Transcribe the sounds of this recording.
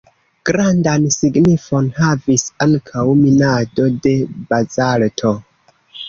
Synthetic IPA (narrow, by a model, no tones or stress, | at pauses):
ɡ̥ɾandansiɡnifo̞nhavisaŋkʰawminado̞de̞bazaltʰo